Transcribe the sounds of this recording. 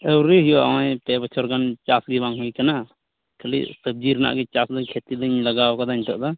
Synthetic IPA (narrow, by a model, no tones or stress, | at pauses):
ɛwɾɛɦijɔʔa̰wãjpɛbət͡ʃʰɔɾɡant͡ʃasɡibaŋɦujkana | kʰəlḭsəb̚d͡ʒiɾna̰ʔɡɛt͡ʃasd̪əɲkʰet̪id̪əɲlaɡawkad̪aɲt̪ɔʔd̪a